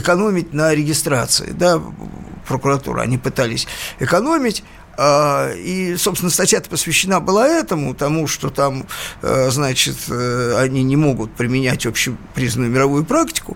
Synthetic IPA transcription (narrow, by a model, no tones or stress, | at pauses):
ɪkɐno̞mʲɪt̚ʲnəɾʲɪɡʲɪst̪ɾat̪sɨ̰ɪ̰d̪apɾəkʊɾɐt̪ṵɾə̰ɐ̰nʲipɨt̪alʲɪsʲɪkɐno̞mʲɪtʲ | aisopsʲɪnəst̪ɐtʲjat̪ə̥pəsvʲɪɕːɪnabɨlˠaɛt̪əmʊt̪ɐmuʂt̪o̞t̪am | znat͡ɕɪt̪ɐnʲinʲɪmo̞ɡʊt̪̚pɾʲɪmʲɪnʲætʲopɕːɪpɾʲizənʊjʊmʲɪɾɐvujʊpɾaktʲɪ̥kʊ